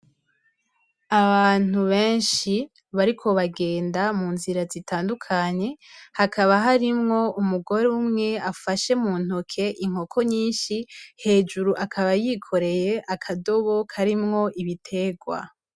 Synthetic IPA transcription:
aβaːn̥uβe̞ːnʃi | βaɾikʰo̞βaɡe̞ːndamuːnziɾazitaːndukʰaɲe̞hakʰaβaɦaɾimŋo̞umuɡo̞ɾeumŋe̞afaʃe̞muːn̥ho̞kʰe̞ʔiŋ̥o̞kʰo̞ɲiːnʃihe̞ːd͡ʒuɾuʔakʰaβajikʰo̞ɾe̞je̞ʔakʰado̞βo̞kʰaɾimŋo̞ʔiβitʰe̞ɡwa̰

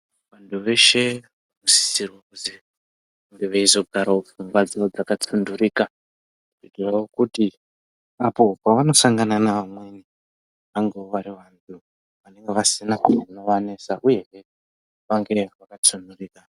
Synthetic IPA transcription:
ʋantʰuʋe̞ʃe̞ | ʋanosi̥sirwakuzi | aŋɡeʋaizo̞ɡʱaɾaofuŋɡwad͡ziod͡zakat͡sunduriːka | kupitirawokuti | apo̞paʋano̞saŋɡananaʋamweni | ʋaŋɡeoʋaɾiʋantʰu | ʋane̞ŋɡe̞ʋasinakunanoʋane̞saʔuje̞ʋe | ʋaŋɡe̞ʋakat͡sunduriːka

